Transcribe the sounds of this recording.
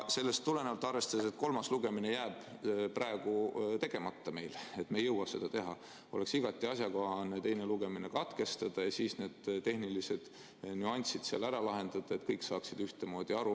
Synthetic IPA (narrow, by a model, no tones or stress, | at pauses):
se̞lːe̞st̪ːule̞neɑlt̪ːˑɑrve̞st̪ɑd̪eset̪ko̞lmɑsluɡ̥e̞mine̞jæːb̥prɑe̞ɡ̥ut̪e̞ɡ̥e̞mɑt̪ːɑme̞jlet̪mejɤwɑse̞̰d̪ɑt̪e̞ɦɑ̰ | o̞leksiɡ̥ɑt̪ːˑiɑsjɑko̞hɑnːet̪e̞jneluɡ̥e̞mine̞kɑt̪ke̞st̪ɑd̪̥ɑjɑsiːsne̞ːd̪̥t̪e̞hnilise̞d̪̥ | nyɑnʲsid̪̥seɑ̰læɾɑlɑɦe̞nd̪̥ɑd̪̥ɑe̞t̪kɤjksɑːksid̪̥yht̪e̞mo̞ːd̪̥ʲiɑɾu